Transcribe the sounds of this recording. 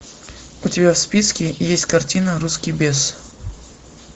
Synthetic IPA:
ʊtʲɪbʲafspʲiskʲɪjesʲtʲkɐrtʲinəɾuskʲijbʲes

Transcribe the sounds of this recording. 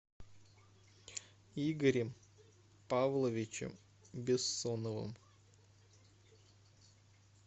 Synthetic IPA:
iɡəɾʲɪm | pavlˠəvʲɪt͡ɕɪ̰m | bʲɪsːonəvɨ̰m

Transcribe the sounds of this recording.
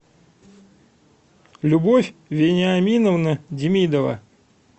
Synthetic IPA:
lʲʊbofʲvʲɪnʲɪɐmʲinəvnədʲɪmʲid̪əvə̰

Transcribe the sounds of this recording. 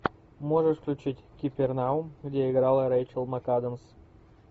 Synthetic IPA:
moʐɨʂfklʲʊt͡ɕitʲkʲɪpʲɪrnaʊmɡdʲeɪɡɾalˠɾejt͡ɕəlˠmɐkad̪əms

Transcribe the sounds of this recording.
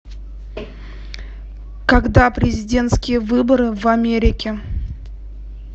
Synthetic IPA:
kɐɡd̪apɾʲɪzʲɪdʲe̞nt̪skʲɪjəvɨbəɾɨvɐmʲeɾʲɪkʲɪ

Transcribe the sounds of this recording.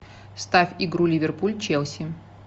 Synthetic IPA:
st̪afʲiɡɾulʲivʲɪrpulʲt͡ɕelˠsʲɪ

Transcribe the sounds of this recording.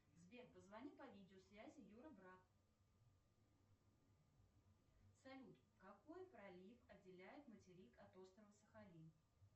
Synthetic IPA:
zbʲerpəzvɐnʲipɐvʲidʲɪosvʲæzʲɪjuɾəbɾat̪ | sɐlʲut̪ | kɐko̞jpɾɐlʲifɐdʲɪlʲæjɪt̪mətʲɪɾʲikɐt̪o̞st̪ɾəvəsəxɐlʲi

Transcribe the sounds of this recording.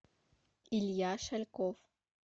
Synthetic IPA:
iljaːʃalkof

